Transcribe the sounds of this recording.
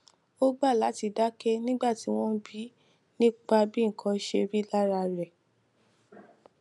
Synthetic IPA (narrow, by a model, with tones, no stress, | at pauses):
o˦ɡ͡ba˦˨la˨˦ti˧da˦kɛ˦nĩ˦ɡ͡ba˦˨ti˨˦w̃ɔ̃˦bi˦ | nĩ˦k͡pa˧bi˦ŋ̩˨kʰɔ̃˧˦ʃe˧ɾi˦la˦ɾa˧ɾɛ˨